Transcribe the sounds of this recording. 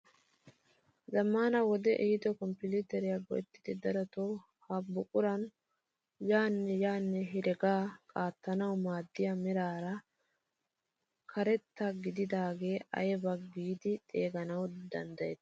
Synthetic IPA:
zɐmːaːnɐwɔd̪ɛʔɛhɪd̪ɔkɔmpɪlit̪ɛɾɪjaɡɔ̰jɛt̪ːɪd̪ɪd̪ɐɾɔt̪o | hɐbːʊkʼʊɾɐn | jaːnːɛjaːnːɛɦɪɾɛɡaːkʼaːt̪ːɐnɐwmaːd̪ːɪjɐmɛɾaːɾɐ | kʰɐɾɛt̪ːɐɡɪd̪ɪd̪aːɡe̞ːɐ̰jɛbɐɡiːd̪ɪt̪ʼeːɡɐnɐwd̪ɐ̰nd̪ɐjɛt̪ː

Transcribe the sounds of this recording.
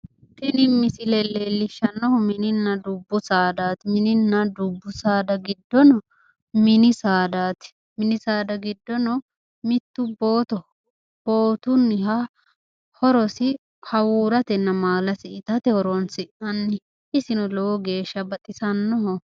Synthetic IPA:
t̪ɪnɪmːɪsɪlɛlɛlːɪʃːɐnːɔhɔmɪnɪnːɐd̪ʊbːʊsaːd̪aːt̪mɪnɪnːɐd̪ʊbːʊsaːd̪ɐɡɪd̪ːɔnɔ | mɪnɪsaːd̪aːt̪ɪ̥ | mɪnɪsaːd̪ɐɡɪd̪ːɔnɔ | mɪt̪ːʊboːt̪ɔ | b̥oːt̪ʊnːɪha | hɔɾɔsɪ | hɐwuːɾɐt̪ɛnːɐmaːlɐsɪʔɪt̪ɐt̪ɛhɔɾoːnsɪʔɐnːɪ | ʔɪsɪnɔlɔwɔɡe̞ːʃːɐbɐt̪ʼɪsɐnːɔɦɔ

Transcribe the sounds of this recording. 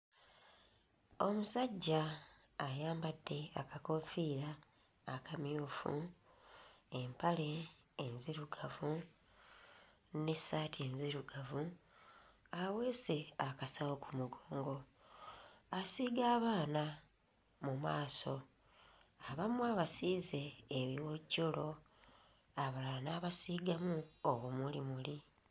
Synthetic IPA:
o̞musaɟːaː | jaːmbadːe̞a̰kako̞ɱfiːɾaː | kʰamjuːfṵ | empale̞ː | nziɾuɡavu | ne̞saːtʰienziɾuɡavu | awe̞se̞akasawokumuɡoːŋɡo̞ | asiːɡaːβaːna | mumaːso̞ | aβamuaːβasiːze̞ːβiwoɟolo̞ | aβalanaːβasiːɡamuowumulimuli

